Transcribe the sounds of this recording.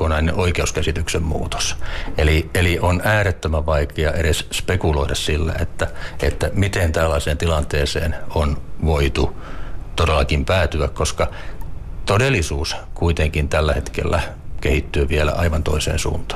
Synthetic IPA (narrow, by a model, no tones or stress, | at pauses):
onɑineʔoikeuskæsit̪yksemmṵːt̪o̥selieliʔonæːɾet̪ːømæʋʋɑikeɑʔeɾesspekuloiɾɑssilːæ̰ḛt̪ːæet̪ːæmit̪ent̪ælːæseːnt̪ilɑnt̪eːsḛːnonʋoit̪ut̪odelːɑkimpæːt̪yækkoskɑ | t̪odelːˑisuːskuit̪eŋkint̪ælːæhet̪kḛlːækehit̪ːyːʋielæ̰ɑiʋɑnt̪o̰isḛːnsṵːnt̪ɑ̥ː